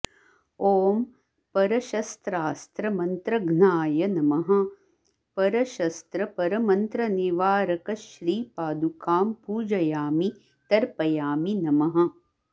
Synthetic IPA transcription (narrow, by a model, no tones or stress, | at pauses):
oːm | pɐɾɐʃɐst̪ɾaːst̪ɾɐmɐnt̪ɾɐɡnaːjɐnɐmɐɦɐ̆ | pɐɾɐʃɐst̪ɾɐpɐɾɐmɐnt̪ɾɐniʋaːɾɐkɐʃɾiːpaːd̪ukʰaːmpuːd͡ʒɐjaːmi | t̪ɐɾpɐjaːminɐmɐɦɐ̆